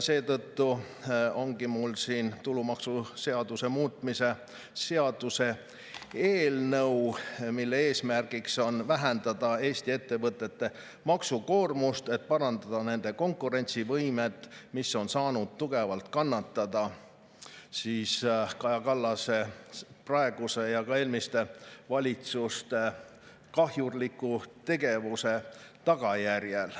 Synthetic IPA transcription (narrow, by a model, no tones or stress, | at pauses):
se̞ːt̪ɤt̪ːu | o̞ŋɡimulsiːnt̪ulumɑksuse̞ɑd̪̥use̞muːt̪mise̞ | se̞ɑd̪̥use̞ | eːlnɤwmilːe̞e̞ːsmærɡ̥ikso̞nvæɦend̪ɑd̪̥ɑe̞ːst̪ie̞t̪ːe̞vɤt̪ːˑe̞t̪ːe̞ | mɑksuko̞ːrmust̪e̞t̪̚pɑɾɑnd̪ɑd̪̥ɑne̞nd̪̥e̞ko̞ŋkˑuɾe̞nʲt̪sivɤjmet̪ːˑmisːo̞nsɑːnud̪̥̚t̪uɡe̞vɑlt̪kɑnːɑt̪ːˑɑd̪̥ɑ | siːskɑjɑkɑlːɑse̞prɑe̞ɡ̥use̞jɑkɑe̞ːlmist̪e̞vɑlʲit̪sust̪e̞ | kɑɦjurlikːˑut̪e̞ɡe̞vuse̞t̪ɑɡ̥ɑjærjel